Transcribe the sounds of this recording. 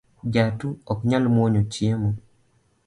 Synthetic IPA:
d͡ʒatuɔkɲalmoɲot͡ʃjemo

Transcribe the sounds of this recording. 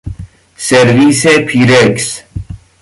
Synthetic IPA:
seɾʋiːsepʰiːɾeks

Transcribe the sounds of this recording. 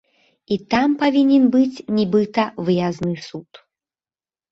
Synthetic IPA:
it̪ampavʲinʲɛnbɨt͡sʲnʲibɨt̪ɐvɨjaznɨsut̪

